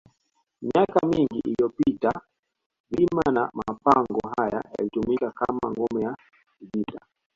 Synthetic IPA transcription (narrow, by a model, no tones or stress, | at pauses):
miakamiŋɡiʔilijɔpita | bimanamapaŋɡɔɦaja̰ja̰litumikakama̰ŋɡɔmɛja | kiɡita